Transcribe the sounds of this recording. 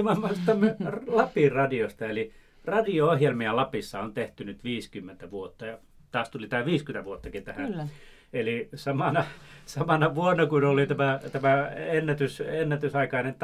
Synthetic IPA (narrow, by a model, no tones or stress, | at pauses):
mɑmːɑsit̪æmːerlɑpirɑdiost̪ɑeli | rɑdioohjelmiɑlɑpisːɑont̪eht̪ynyt̪ʋiːskymːent̪æʋuot̪ːɑjɑ | t̪ɑːst̪ulit̪æːʋiːskymet̪æʋuot̪ːɑkint̪æhæ | elisɑmɑnɑsɑmɑnɑʋuonːɑkunolit̪æmæt̪æmæenːæt̪ysenːæt̪ysɑikɑinent̪